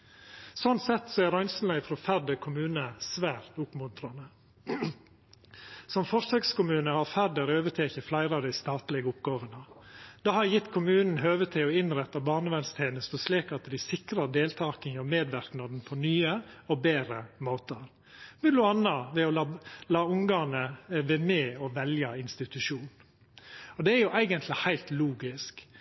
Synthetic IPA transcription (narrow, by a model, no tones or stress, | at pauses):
sɔnt̪sɛt̪ːsɔæɾɑʏnsn̩læɪfɔɾɔfæɖəkʰʊmʉːnəsʋæːɾt̪ʊpmʊnt̪ɾɑnə | sɔmfɔsœɡskʊmʉːnəhɑɾfæɖəɾøːʋət̪ʰeːçəflæɪɾɑʋd̪æɪst̪ɑːt̪lɪɡəʊpɡɑːʋənəd̪̥ɑːhɑɾjɪt̪ːkʰʊmʉːnn̩ɦøːʋət̪ʰɪɔɪnɾɛt̪ːɑbɑːɳəʋɛnst̪ʰeːnəst̪əsliːkɑt̪d̪ɪsɪkɾɑd̪eːlt̪ʰɑːkənjɔmeːd̪ʋæɾknɑd̪n̩pʰɔnyːəɔbeːɾəmoːt̪əɾ | mɛd̪ʊɑnːɑʋɛɔlɑlɑːʊŋɡɑːnəʋɛmeːɔʋɛljɑɪnst̪ɪt̪ʉʂuːn | ɔd̪ɛæɾjʊʔæɪɡənt̪ʰlɪhæɪlt̪luːɡɪsk